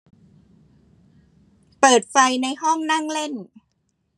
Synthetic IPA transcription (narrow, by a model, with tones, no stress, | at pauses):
pɤː˨˩t̪̚fa˧jna˧jɦɔ˥˩ŋna˥˩ŋle˥˩n